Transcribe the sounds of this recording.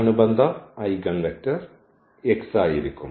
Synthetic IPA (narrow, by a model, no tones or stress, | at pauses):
ɐɳubɐnd̪ʱɐɐjɡɐɳɖɐtːɐr | eksaːjiɾikʲːum